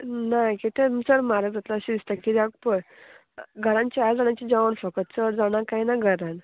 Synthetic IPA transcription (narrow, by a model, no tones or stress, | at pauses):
nakit̪emsəɾmaɾəɡd͡zat̪laəɕid̪ist̪akiɾak̚pəɽ | ɡʱəɾãɲt͡ɕiad͡zaɳjat͡ɕid͡ʑaʋəɳfəkət̪səɾd͡zaɳ̃akainaɡʱəɾan